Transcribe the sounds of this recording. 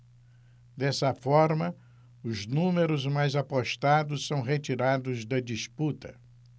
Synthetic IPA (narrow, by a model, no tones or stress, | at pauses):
d̪ɛsɐfɔɾmɐ | ʊznũmeɾʊzmajzapoʃt̪ad̪ʊssɐ̃w̃ɦet͡ʃiɾad̪ʊzd̪ɐd͡ʒisput̪ɐ